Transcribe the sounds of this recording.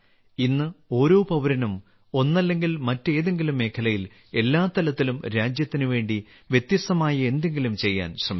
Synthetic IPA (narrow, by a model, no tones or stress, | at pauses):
inːɨo̞ːɾo̞ːpɐʋɐɾɐnum | o̞nːɐlːe̞ŋɡilmɐtːe̞ːðe̞ŋɡilumːe̞ːkʰɐlɐjil | e̞lːaːt̪ɐlɐt̪ːilumɾaːd͡ʑjɐt̪ːinuʋe̞ːɳɖi | ʋje̞t̪jɐst̪ɐmaːjɐe̞nd̪e̞ŋɡilumt͡ɕe̞jːa̰ːnɕrɐm